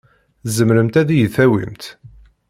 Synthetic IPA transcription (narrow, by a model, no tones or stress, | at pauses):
zəmɾəmt̪æðijəθæwḭmt̪